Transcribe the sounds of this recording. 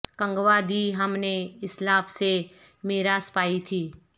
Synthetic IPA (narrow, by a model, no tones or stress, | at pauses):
kə̃ŋɡʋaːd̪iɦɐmneɪslaːfse | meːɾaːspaːit̪ʰiː